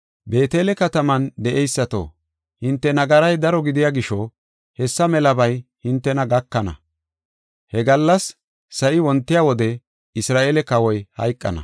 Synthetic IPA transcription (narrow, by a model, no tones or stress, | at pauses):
be̞ːt̪eːlɛkɐt̪ɐmɐnd̪ɛʔɛjsːɐt̪o̰ː | hɪnt̪ːɛnɐɡɐɾɐjd̪ɐɾɔɡɪd̪ɪjaːɡɪʃɔ | hɛsːɐmɛlɐbɐjhɪnt̪ːɛnɐɡɐkːɐnɐ̰ | hɛɡɐlːɐsː | ɐʔɪwɔnt̪ːɪjaːwɔd̪ɛ | ɪsɾaːʔeːlɛkɐwɔjhɐ̰jkʼːɐ̰nɐ̰